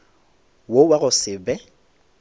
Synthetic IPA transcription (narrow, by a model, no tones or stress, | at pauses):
wowaɣʊsɪbɛ